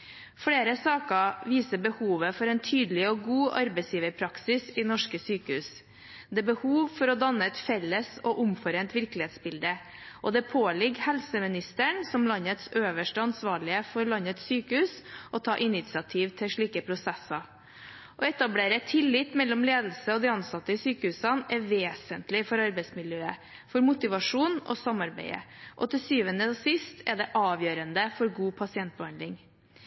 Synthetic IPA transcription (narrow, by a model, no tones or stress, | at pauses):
fɽeːɾəsɑːkəʋiːsəbəhuːʋəfɔɾɛːnt̪ʰyːd̪əlɪɔɡuːʔɑɾbæɪsjiːʋəɾpʰɾɑksɪsɪnɔʂkəsyːkəhʉːs | d̪ɛːbəhuːʋfɔɾɔd̪ɑnəɛt̪fɛlːəsɔʔʊmfɔɾent̪ʋɪɾklɪheːt̪sbɪld̪əʔɔd̪ɛpʰoːlɪɡhɛlsəmɪnɪst̪əɳsɔmlɑnət̪søːʋəʂʈəɑnsʋɑːɭɪəfɔɾlɑnət̪syːkəhʉːsʔɔt̪ʰɑːʔɪnɪt̪sɪɑt̪ʰiːʋt̪ʰɪʂɭiːkəpʰɾʊsɛsːɑ | ʔɔɛt̪ɑbleːɾəɛt̪ʰɪlːɪt̪mɛlːɔmleːd̪l̩səɔd̪ɪɑnsɑt̪ːəɪsyːkəhʉːsɑnɛʋeːsənt̪lɪfɔɾɑɾbɛɪsmɪljøːə | fɔɾmʊt̪ɪʋɑʂuːnɔ̰sɑmɑɾbæ̰ɪə̰ʔɔt̪ʰɪsyːʋənəsɪst̪ʰɛd̪ɛʔɑːʋjøːɾənd̪əfɔɾɡuːpʰɑsɪɛnt̪̚bəhɑnd̪ɪŋ